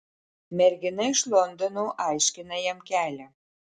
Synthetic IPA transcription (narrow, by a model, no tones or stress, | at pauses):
mʲæɾʲɡʲɪnɐɪʃlˠond̪onuʔɑjʃʲkʲɪnɐjɛmkʲælʲæ